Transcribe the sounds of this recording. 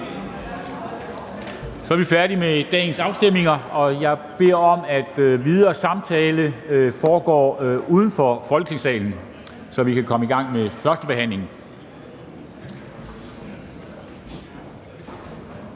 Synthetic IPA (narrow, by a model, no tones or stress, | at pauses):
sɒ̽æɐʋifæɐd̥imed̥ɛ̰ːn̩sɑ̈ʊsd̥em̰e̝ŋɐɒ̽jɑ̈ɪb̥e̝ɐ̰ɒ̽mæd̥øʋið̞ˠɐːsɑ̈mt͡sʰɛːləfɒːɡ̥ɒ̰ːuːð̞ˠn̩fɒ̽fɒlɡ̥ə̥t͡sʰe̝ŋsɛ̰ːln̩ | sɒ̽ʋikʰækʰɒ̽məiɡ̥ɑ̈ŋ̰mefɶɐsd̥əb̥e̝ɦæn̰le̝ŋ